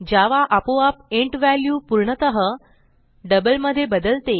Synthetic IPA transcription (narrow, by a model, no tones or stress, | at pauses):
d͡ʑaʋaʔapoap̚eɳʈʋæljuːpuɾɳət̪əɦə | ɖəbəlməd̪ʱːjebəd̪əlt̪e